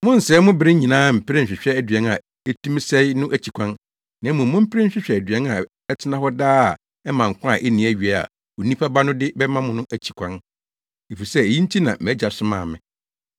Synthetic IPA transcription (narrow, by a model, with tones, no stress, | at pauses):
mʊ̃˦n̩˨sɛː˨˦mʊ̃˦bɪ˦ɾɪ˦ɲĩ˨nãː˦m̩˨pʰɪ˦ɾɪ̃˦ɲ̩˨ɕᶣɪ˨ɕᶣɛ˦æ˦dɥɛ̃˦na˨ | e˦tʰũ˦m˦sɛ˦i˦nʊ̃˦ʔæ˦t͡ɕʰi˨kʷʰã˦n | nã˨˦mʊ̃˨mʊ̃˦m̩˦pʰɪ˦ɾɪ˦ɕᶣɪ˦ɕᶣɛ˨æ˨dɥɛ˦na˨ | ɛ˦tʰɪ˦nã˦hɔ˦daː˦a˨ | ɛ˦mã˨ŋ̩˨kʰʷʊ̃˦a˨ʔe˦nĩ˨æ˦ɥi˨a˨˦a̰˨ | o˨nĩ˦pʰa˦ba˦nʊ̃˦dɪ˦bɛ˦mã˦mʊ̃˦nʊ̃˦ʔæ˨t͡ɕʰi̥˨kʷʰã˦n | e˨fi˨sɛ˦e˨ji˦n̩˦tʰi˦nã˨m˨æ˨˦d͡ʑa˨sʊ˦mã̰ː˨mɪ̃˨